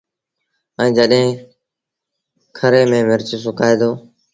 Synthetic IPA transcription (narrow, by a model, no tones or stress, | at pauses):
ə̃ːd͡ʒəɗɦẽː | kʰəɾeːmẽːmɪɾt͡ʃːsʊkaːeːd̪oː